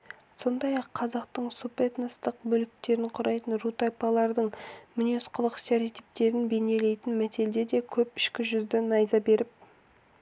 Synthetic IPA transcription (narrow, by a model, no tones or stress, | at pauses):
so̞nd̪ɑjɑqʰːɑzɑqt̪əɴsupet̪nəst̪əq̚bɵlɪk̚t̪e̞ɾɪɴqʰʊɾɑjt̪ənrut̪ajpɑlˠɑɾd̪əɴmʏne̞sqəlˠəqseɾit̪ip̚t̪e̞ɾɪnbe̞ne̞le̞jt̪ɪnmæt̪e̞ld̪e̞d̪e̞kʲʰɵpɪ̥ʃkʲɪʒʏzd̪ɪnɑjzɑbe̞ɾɪp̚